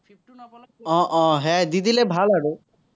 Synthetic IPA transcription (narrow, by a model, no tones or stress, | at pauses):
ɔ̃ʔɔ̃ɦɛd̪id̪ʱilebʱalaɽu